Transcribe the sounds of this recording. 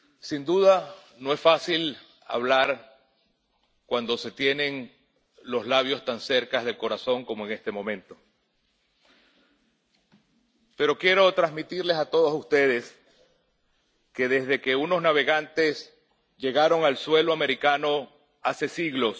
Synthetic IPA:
sind̪uða | no̞e̞sfasil | a̰βlaɾ | kwand̪o̞se̞t̪je̞ne̞ŋ | lo̞zlaβ̞jo̞st̪anse̞ɾkazðe̞lko̞ɾaso̞ŋko̞moeŋe̞st̪e̞mõ̞mẽ̞nt̪o̞ | pe̞ɾo̞kje̞ɾo̞t̪ɾazmit̪iɾle̞sat̪o̞ð̞osust̪e̞ðe̞s | ke̞ðe̞zðe̞ke̞uno̞znaβe̞ɣant̪es | ʝe̞ɣaɾo̞ŋalswe̞loame̞ɾikano̞ | ase̞siɣlo̞s

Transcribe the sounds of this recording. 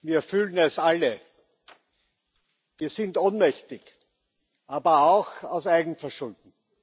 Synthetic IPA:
viːɐfyːln̩ɛsalə | viːɐsɪndoːnmɛçtɪk | ʔaːbɐaʊxaʊsæɪɡŋ̩fɛɐʃʊldn̩

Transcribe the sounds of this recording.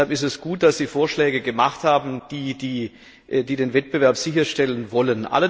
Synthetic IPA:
alpɪstɛsɡ̥uːt̚d̥asz̥iːfoːɐʃlɛːɡəɡəmaχthaːbm̩d̥iːdiː | d̥iːdeːnvɛt̚b̥əvɛɐpz̥ɪçɐʃtɛlənvɔlənʔa̰lə

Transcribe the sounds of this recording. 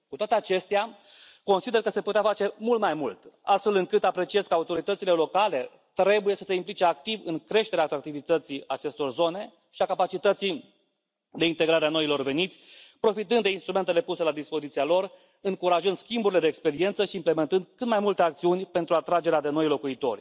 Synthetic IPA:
kut̪at̪eat͡ʃe̞st̪ea | ko̞nsid̪erkəse̞put̪eafat͡ʃe̞mult̪majmult̪ast̪fe̞lɨŋkɨt̪apɾe̞t͡ʃie̞skəaut̪o̞ɾit̪ət̪sile̞lo̞kale̞ | t̪ɾe̞buje̞sə̥se̞implit͡ʃe̞ak̚t̪ivɨŋkɾe̞ʃt̪eɾeat̪ɾakt̪ivit̪ət̪siat͡ʃe̞st̪o̞rzo̞ne̞ | ʃiakapat͡ʃit̪ət̪si | d̪e̞int̪e̞ɡɾaɾeano̞ilo̞rve̞nit̪sʲpɾo̞fit̪ɨnd̪e̞inst̪ɾume̞nt̪e̞le̞puse̞lad̪ispo̞zit̪sialo̞r | ɨŋkuɾaʒɨnd̪skʲimbuɾiled̪eːkspe̞ɾie̞nt̪səʃiːmple̞ment̪ɨnd̪kɨt̪majmult̪e̞akt̪siunʲpe̞nt̪ɾuat̪ɾad͡ʒe̞ɾead̪e̞no̞jlo̞kuit̪o̞̰rʲ

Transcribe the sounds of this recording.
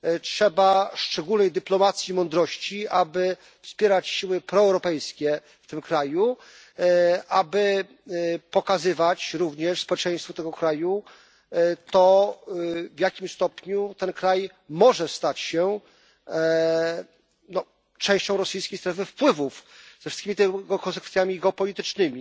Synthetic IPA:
tʂɛbaʂt͡ʂɛɡulnɛjd̪ɘplɔmat̪sʲjimɔnd̪ɾɔɕt͡ɕiʔabɘ | fspʲjɛɾat͡ɕɕiwɘpɾɔɛwɾɔpɛjskʲɛ | ft̪ɘmkɾaju | ʔabɘ | pɔkazɘvat͡ɕɾuvɲɛʂspɔwɛt͡ʂɛ̃j̃st̪fɔt̪ɛɡɔkɾaju | t̪ɔ | vjakʲimst̪ɔpɲut̪ɛnkɾaj | mɔʐɛst̪at͡ɕɕɛ | nɔ | t͡ʂɛ̃w̃ɕt͡ɕɔ̃w̃ɾɔsɘjskʲejst̪ɾɛfɘfpwɘvufzɛfʂɘ̥skʲimit̪ɛɡɔkɔ̃nsɛkfɛnsʲjamʲiɡɛɔpɔlʲit̪ɘt͡ʂnɘmʲi

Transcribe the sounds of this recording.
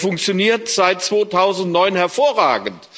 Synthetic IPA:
fʊŋk̚t͡sjoniːɐtz̥aɪt̚t͡sv̥oːtʰaʊzn̩tnɔʏnhɛɐfoːɐʁa̰ːɡn̩t

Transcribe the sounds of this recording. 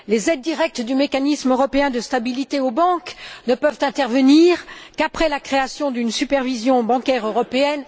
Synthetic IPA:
lezɛd̪̚ːiʁɛk̚t̪d̪ymekanismøʁɔpeɛ̃d̪əst̪abilit̪eobɑ̃knəpœvt̪ɛ̃t̪ɛʁvəniːʁkapχɛlakχeasjɔ̃d̪ynsypɛʁvizjɔ̃bɑ̃kʲɛʁøʁɔpeɛn

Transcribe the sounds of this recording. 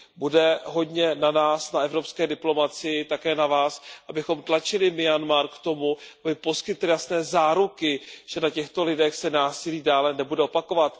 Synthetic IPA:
budɛɦo̞dɲɛnanaːsnaɛvɾo̞pskɛːdɪplo̞mat͡sɪjɪt̪akɛːnavaːsʔabɪxo̞mt̪lat͡ʃɪlɪmɪjanmaɾkt̪o̞muʔabɪpo̞skɪt̪lɪjasnɛːzaːɾukɪʒ̥ɛnacɛxt̪o̞lɪdɛxsɛnaːsɪliːdaːlɛnɛbudɛo̞pako̞vat̪

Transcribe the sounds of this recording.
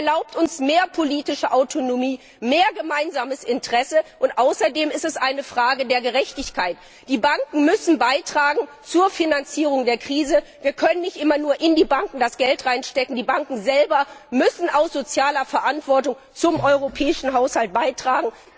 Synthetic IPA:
ʔɛɐlaʊp̚tʊnsmeːɐpʰoliːtɪʃəʔaʊtʰonomiː | meːɐɡəmaɪnzaːməsɪntəʁɛsəʔʊntʔaʊsɐdeːmɪstɛsʔaɪnəfʁ̥aːɡədeːɐɡəʁɛçtɪçkʰaɪt | d̥iːbaŋkŋ̩mʏsn̩baɪtʁ̥aːɡŋ̩ | t͡suːɐfinant͡siːʁ̞ʊŋdeːɐkʁ̥iːzəviːɐkʰœnənːɪçtʔɪmɐnuːɐʔɪndiːbaŋkŋ̩dasɡ̥ɛltʁaɪnʃtɛkŋ̩diːbaŋkŋ̩zɛlbɐmʏsn̩aʊsz̥ot͡sjaːlɐfɛɐʔantv̥ɔɐtʊŋ | t͡sʊmʔɔʏʁ̞opʰɛːɪʃn̩ɦaʊshalt̚b̥aɪtʁ̥aːɡŋ̩

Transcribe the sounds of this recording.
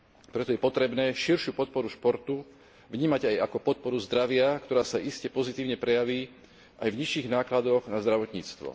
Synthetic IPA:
pɾɛt̪ɔjɛpɔt̪ɾɛbnɛːʃiɾʃjupɔt̪̚pɔɾuʃpɔɾt̪u | ʋɲiːmaɟajakɔpɔt̪̚pɔɾuzd̪ɾaʋɪakt̪ɔɾaːsaʔiscɛpɔzit̪iːʊɲɛpɾɛjaʋiː | ʔajvɲiʃiːɣnaːklad̪ɔɣnazd̪ɾaʋɔt̪ɲḭːt͡st̪ʋɔ̰

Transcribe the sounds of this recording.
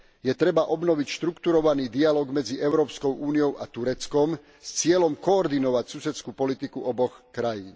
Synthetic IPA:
jɛt̪ɾɛbaʔɔbnɔʋicʃt̪ɾukt̪uɾɔʋaniːd̪ialɔːɡmɛd͡ziʔɛʊɾɔːpskɔʊʔuːnijɔʊʔat̪uɾɛt͡skɔm | st͡sɪɛlɔmkɔːɾd̪inɔʋacsusɛt̪t͡skupɔlit̪ikuʔɔbɔxkɾajiːn

